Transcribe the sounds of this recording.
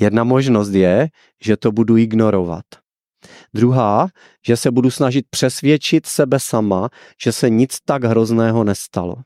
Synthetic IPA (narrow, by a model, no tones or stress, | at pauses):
jɛdnamoʒnos̬t̪jɛ | ʒɛt̪obuduɪɡnoɾova̰t̪ | d̪ɾuɦaː | ʒɛsɛbudusnaʒɪt̪̚pr̥ɛsvjɛt͡ʃɪt̪sɛbɛsama | ʒ̥ɛsɛɲɪt͡st̪aɡɦɾo̞znɛːɦo̞nɛst̪alo̰